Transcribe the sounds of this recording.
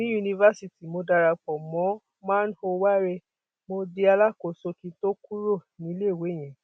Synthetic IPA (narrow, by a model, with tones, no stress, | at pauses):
nĩ˨˦ju˧nĩ˧va˦si˧ti˨mo˧da˧ɾa˧k͡pɔ˨mɔ̃˨˦ | mãː˦n̩˦ho˧wa˦ɾe˧ | mo˧de˧a˧la˦ko˨so˧ki˧to˦ku˦ɾo˦˨nĩ˨˦le˦˨we˨˦˨j̃ɛ̃˨